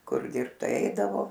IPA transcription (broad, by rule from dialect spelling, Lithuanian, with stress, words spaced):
ˈkʊr ˈdʲɪrpt ˈtɐɪ ˈɛɪdɐʋoː